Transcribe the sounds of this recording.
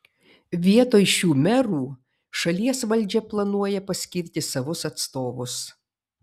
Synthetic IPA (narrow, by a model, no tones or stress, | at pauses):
ʋʲiɛt̪oːjʃʲuːmʲɛɾuː | ʃɐlʲiɛsʋɐlʲˑd͡ʒʲɛplˠɐnuɔjɛpɐsʲkʲɪɾʲt̪ʲɪsɐʋʊsɐt̪st̪oːʋʊs